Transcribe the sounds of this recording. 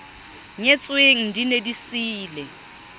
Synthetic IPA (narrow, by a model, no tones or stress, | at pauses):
ɲet͡sʼweŋ̩dinedisiːle